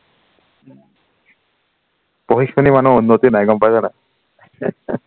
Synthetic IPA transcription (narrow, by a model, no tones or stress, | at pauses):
pɔɦikʰkʰɔnimanuunːɔtinajɡɔmpazanaj